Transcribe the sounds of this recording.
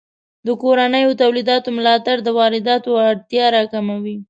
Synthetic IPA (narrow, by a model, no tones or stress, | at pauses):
d̪əkoɾanəjot̪awlid̪ɑt̪omʊlɑt̪aɽd̪əwɑɾɪd̪ɑt̪oaɽt̪jɑɾɑkamawi